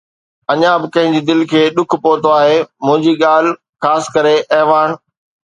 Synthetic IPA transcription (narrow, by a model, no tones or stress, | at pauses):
ɐɲãbɪkɐ̃ɦɪ̃ɲd͡ʑiːd̪ɪlkʰeːɗʊkʰpoːt̪oaːɦemʊ̃ɦɪ̃ɲd͡ʑiːɠaːl̤ | xaːsɪ̥̆kɐɾeʔɛːʋaːn